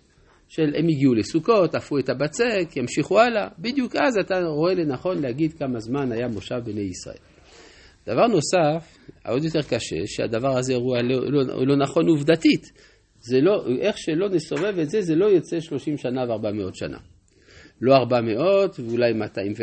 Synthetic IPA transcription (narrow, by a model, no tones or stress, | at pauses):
ʃelemjiɡiulesuko̞tafuetabat͡sekjamʃiχualabid̪jukʔazat̪aʁo̞e̞lenaχo̞nlehaɡid̪kamazmanajamo̞ʃavbenejisʁa̰ʔe̞̰l | d̪̥avaʁno̞saf | a̰ʔod̪jo̞t̪̬e̞ʁkaʃe̞̰ʃea̰d̪avaʁazeʁualo̰lo̞naχo̞nuvd̪atit | zeloʔeχʃe̞lo̞neso̞ve̞ve̞tze̞ze̞lo̞jot͡se̞ʃlo̞ʃimʃanaveaʁbameo̞tʃa̰nʔa̰ | lo̞aʁbameo̞tveulajmat̪aimve